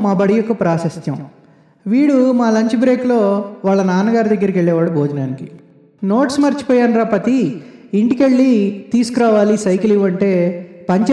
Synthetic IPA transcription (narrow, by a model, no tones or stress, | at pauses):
maːbɐɽijɔkːɐpɾaːsɐst̪jɐm | ʋiːɽumaːlɐɲt͡ʃibɾe̞ːklo̞ːʋaːɭːɐnaːnɐɡaːɾid̪ɐɡːɐɾikeɭːɛːʋaːɽubʱoːd͡ʒɐnaːniki | noːʈsmɐɾt͡ʃi̥poːjaːnɾaːpɐt̪iː | ɳʈikeɭːit̪iːsu̥kuɾaːʋaːlisɐjkiliʋɐɳʈe̞ːpɐɲt͡ʃ